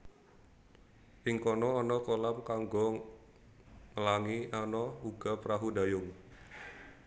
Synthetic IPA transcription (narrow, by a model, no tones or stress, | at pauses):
ʔɪŋkɔnɔːnɔkolamkaŋɡɔŋ | məlaŋianɔuɡ̥apɾaɦudajʊŋ